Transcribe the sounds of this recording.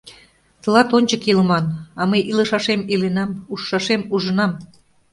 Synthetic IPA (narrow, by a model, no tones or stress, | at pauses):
t̪ə̆lɑt̪onʲt͡ɕəkiləmɑnɑmɤjʔilə̆ʃɑʃemilenɑmuʃːɑʃemuʒə̆nɑm